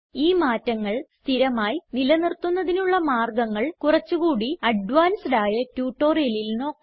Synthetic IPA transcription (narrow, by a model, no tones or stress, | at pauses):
iːmaːtːɐŋːɐɭst̪ʰiɾɐmaːjinilɐnirt̪ːunːɐðinuɭːɐmaːrɡɐŋːɐɭkurɐt͡ɕːuɣuːɽiɐɖʋaːnsɖaːjɐtjuːʈːo̞ːrijɐlilno̞ːkːɐ